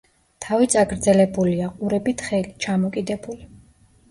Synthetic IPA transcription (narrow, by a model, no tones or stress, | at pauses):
t̪ʰavit̪sʼaɡɾd̪zɛlɛbuliaqʼuɾɛbit̪ʰχɛlit͡ʃʰamɔkʼid̪ɛbuli